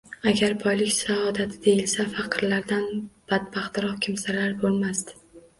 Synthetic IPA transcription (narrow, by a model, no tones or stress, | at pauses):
aɡʲaɾbʰɒjlɪkʲsaɒd̪at̪ʰɪd̪e̞jɪlsafɑqʰɨɾlaɾd̪anb̥ad̪bɑχt̪ɪɾɒχkʲʰɪmsaɾlaɾbolˠmast̪